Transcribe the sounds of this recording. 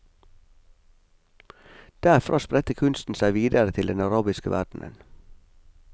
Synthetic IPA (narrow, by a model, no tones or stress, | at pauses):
d̪̥æɾfɾʔɑ̰ːspɾɛt̪əkʰʉnst̪n̩sæɪʋiːd̪əɾət̪ʰɪld̪ɛnɑɾɑːbɪskəʋʔæ̰ɖɳ̩ʔə̰n